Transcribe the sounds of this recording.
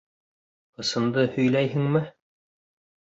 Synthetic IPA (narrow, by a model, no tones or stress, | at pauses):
qɤ̆sɤ̆nd̪ɤhɵ̆jlæjɦɘ̆ŋmɘ